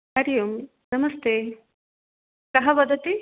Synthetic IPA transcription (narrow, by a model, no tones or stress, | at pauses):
ɐɾjum | nɐmɐst̪eː | kɐɦɐʋɐd̪ʱɐt̪i